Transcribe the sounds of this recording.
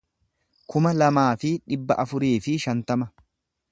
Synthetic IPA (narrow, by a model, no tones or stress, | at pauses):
kʊmɐlɐmaːfɪᶑɪbːɐʔɐfʊɾiːfɪʃɐnt̪ɐmɐ